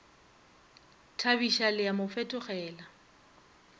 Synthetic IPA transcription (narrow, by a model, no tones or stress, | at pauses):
tʰabiʃalɪjamʊfɛtʼʊχɛːla